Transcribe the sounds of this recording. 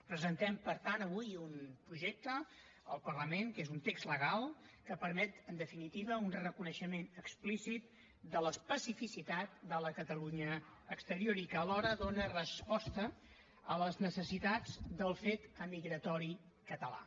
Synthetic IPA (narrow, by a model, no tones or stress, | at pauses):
pɾəzənt̪ɛmpəɾt̪anəβujunpɾuʒek̚t̪ə | əlˠpərləmenkezunt̪ekzləɣ̞alˠkəpəɾmɛt̪ənd̪əfinit̪iβəunrəkunəʃəmenəksplisit̪̚ | d̪ələspəsifisit̪at̪̚d̪ələkət̪əluɲəːkst̪əɾioɾikəːlɔɾəðonərəspɔst̪ə | ələznəsəsit̪ad͡zd̪əlˠfet̪əmiɣɾət̪ɔɾi | kət̪əla̰